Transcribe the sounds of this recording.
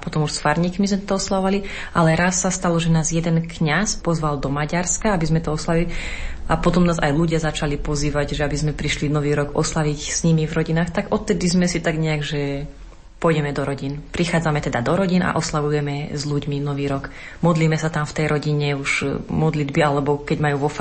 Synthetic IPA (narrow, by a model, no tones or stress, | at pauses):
pɔt̪ɔmuʃsfaɾɲikmizmɛtt̪ɔɔslaɔʋali | alɛɾasːast̪alɔʒɛnaːzjɛd̪ɛnkɲaspɔzʋald̪ɔmaɟaɾskaabizmɛt̪ɔɔslaʋiliapɔt̪ɔmnaːza̰jluɟɪazat͡ʃalipɔziːʋaɟʒɛabizmɛpɾiʃlinɔʋiːɾɔɡɔslaʋicsɲimivɾɔɟinaːxt̪aɡɔt̪̚t̪ːɛd̪izmɛsit̪aɡɲɛaɡʒɛ | pɔjɟɛmɛd̪ɔɾɔɟinpɾixaːd͡zamɛt̪ɛd̪ad̪ɔɾɔɟina̰ʔɔslaʋujɛmɛzʎuɟminɔʋiːɾɔɡ | mɔd̪liːmɛsat̪amft̪ɛjɾʔɔɟiɲɛuʒ̥mɔd̪lid̪bialɛbɔkɛɟmajuːʋɔf